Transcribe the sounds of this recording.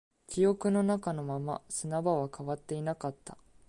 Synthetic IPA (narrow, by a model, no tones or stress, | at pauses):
kʲijo̞kɯ̟no̞nakano̞mama̰sɨnabaβakaβat̪ːe̞inakat̪ːḁ